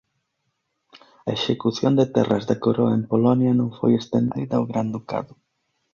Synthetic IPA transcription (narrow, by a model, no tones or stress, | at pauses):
ɐeʃekuθjond̪et̪ɛ̰razðakoɾoaempolɔnjɐnõŋfo̰jest̪end̪ðiðauɣɾand̪uka̰ðʊ